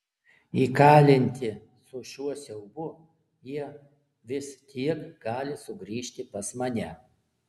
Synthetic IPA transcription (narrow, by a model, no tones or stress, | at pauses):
iːkɑːlʲɪnʲt̪ʲɪ | sʊʃʲuɔsʲɛʊbʊ | jiɛ | ʋʲɪst̪ʲʰiɛkɡɑːlʲɪsʊɡɾʲiːʃʲt̪ʲɪpɐsmɐnʲɛ